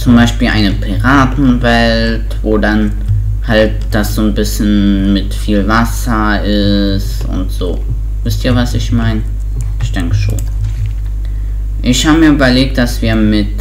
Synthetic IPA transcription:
t͡sʊmbaɪʃpiːlʔa̰ɪnəpʰiʁaːtn̩vɛll | tvoːdan | halt̚d̥asz̥oːnbɪsçənmɪtfiːlvas | ɐ | ʔɪ | stʔʊ̰ntz̥oː | vɪstʔiːɐvasɪçmaɪnə | ʔɪçd̥ɛŋkəʃo̰ːn | ʔɪçhaːbəmiːɐʔyːbɐleːk̚t̚d̥asv̥iːɐmɪt

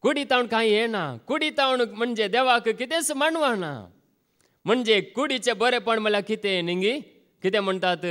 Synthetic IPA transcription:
kuɽiːt̪aːʊɳkãːĩːeːnaːkuːɽiːt̪aːnmənd͡ʒeːd̪eːʋaːkɨkɪt̪ẽːsəmanʋaːna̰ː | mənd͡ʒeːkuɽiːt͡ʃeːboɾeːpəɳməlakɪt̪ẽnĩŋɡiː | kɪt̪eːməɳt̪aːt̪ɨ

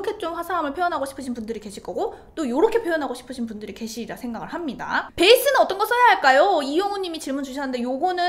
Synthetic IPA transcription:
kʰe̞t͡ɕ͈omɸwasʰaamɯɭpʰjojʌnɦaɡoɕʰi̥pʰɯɕʰinpundɯɾike̞ɕʰiɭk͈ʌɡot͈ojoɾʌkʰe̞pʰjojʌnɦaɡoɕʰi̥pʰɯɕʰinpundɯɾike̞ɕʰiiɾasʰe̞ŋɡaɡɯɭhamɲida̰pe̞is͈ɯnɯnʌt͈ʌnɡʌs͈ʰʌjaɦaɭk͈ajoijʌŋuɲːimit͡ɕiɭmund͡ʑuɕ̬ʰanɯnde̞joɡʌnɯ

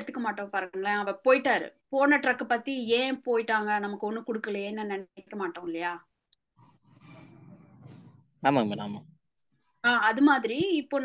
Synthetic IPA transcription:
ɯt̪ːɯkːɐmaːʈːõːpaːɾɯɯŋɡɐɭɐ̃ɐʋɐpoːjɪʈːaːɾɯ̰poːnɐʈɾɐkːɯpɐt̪ːiẽːpoːjɪʈːaːŋɡɐnɐmɐkːɯɔnːɯkʊɽɯkːɐlenːɯnɛnɛkkːɐmaːʈːõːɪlːɐjaː | aːmãmɐna̰ːma | aːɐðɯmaːðɪɾiɪpːoːn

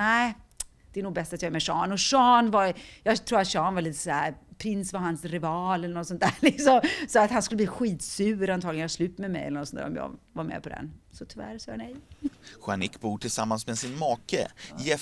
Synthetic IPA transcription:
næɪ | d̪̥ɛænuːɡbɛst̪at̪jɑːɡɛmɛʂɑ̰ːnɔʂɑːnvaɾjɑːɡt̪ʰɾuːɾat̪ɕɑːnvaliːt̪ə̥sæːɾpʰɾɪnsvaɾɦansɾɪvɑːlɛlːənɔt̪sɔnt̪æːɾlɪksɔmsɔat̪hanskɵlːəb̪liːɧiːt̪sʉːɾant̪ʰɑːɡlənjɑslʉ̟ːt̪mɛmɛ̰jɛlːənɔt̪sɔnt̪ʰːæ̰ːɾɔmjɑ̰ːɡvaɾmḛːpʰɔd̪ɛ̰nsɔt̪ʰʏvæ̰ɾsɑːjanɛjɧanɪkːbuːʈʰɪlsamːansmɛsɪnmɑːkə̰jɛ

